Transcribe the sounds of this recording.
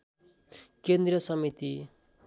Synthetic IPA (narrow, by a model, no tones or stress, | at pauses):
kend̪rʌsʌmit̪i